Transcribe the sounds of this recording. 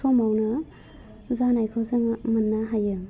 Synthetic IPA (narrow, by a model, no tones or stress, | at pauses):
sɔmawnɯ | zanajkʰɯzɯŋmɯnːaɦajɯ